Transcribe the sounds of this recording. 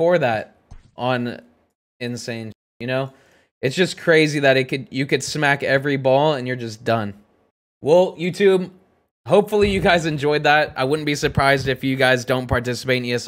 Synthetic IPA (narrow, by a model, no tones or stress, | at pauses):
fə˞ðæt̚ | ʔə̃n | ɪ̃nsẽɪ̃n | jɨñoʊ | ʔɨtsd̥ʒ̥ʌskʰɹ̥eɪziðɨɾɨt̚kɨdɨkɨd̥smækɛvɹibɔlˠə̃njə˞d͡ʒʌsd̥ʌ̃n | wɛlˠjʉtʰʉb | ɦoʊpfl̩ˠijɨɡaɪzɨ̃nd͡ʒɔɪd̪̚ðæt̚ʔa̰ɪwʊdⁿn̩b̥isə˞pʰɹ̥aɪzdɨfjɨɡaɪzdõʊ̃npʰɑɹtɪsə̥peɪɾ̃njɨs